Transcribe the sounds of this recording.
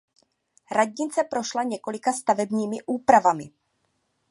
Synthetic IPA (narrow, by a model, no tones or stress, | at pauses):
ɾaɟɲɪt͡sɛpɾo̞ʃlaɲɛko̞lɪkast̪avɛbɲiːmɪʔuːpɾavamɪ